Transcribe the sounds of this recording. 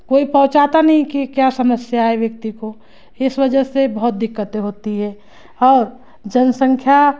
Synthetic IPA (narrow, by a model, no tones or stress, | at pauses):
koːipɐ̃ɦʊ̃t͡ʃaːt̪anɐɦĩkikjasɐməsjaɦɛʋjɐk̚t̪iko | ɪsʋɐd͡ʒəsebɐɦʊt̪̚d̪ɪkːət̪eɦoːt̪iɦɛ | ɔːɾ | d͡ʒənsə̃ŋkʰja